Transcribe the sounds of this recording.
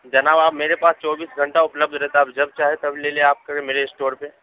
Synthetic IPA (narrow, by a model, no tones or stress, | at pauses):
d͡ʒɐnaːbaːpmeːɾepaːst͡ʃɔːbiːsɡʱɐ̃ɳʈaʊpləb̚d̪ʱɾɛɦt̪aaːpd͡ʒɐb̚t͡ʃaːɦet̪ɐbleːlieaːp̚kɐɾẽmeːɾeɪsʈoːɾpe